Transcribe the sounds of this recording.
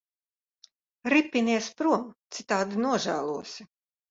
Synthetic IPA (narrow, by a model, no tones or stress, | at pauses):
ɾipʲːinʲiɛspɾuɔmt̪sit̪aːd̪inuɔʒæ̰ːlˠuɔsi